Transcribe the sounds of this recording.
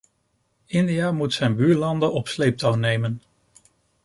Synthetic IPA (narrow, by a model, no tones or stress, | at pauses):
ɪndijamutsɛjnbyːɹlɑndəɔpslejp̚tawnejmən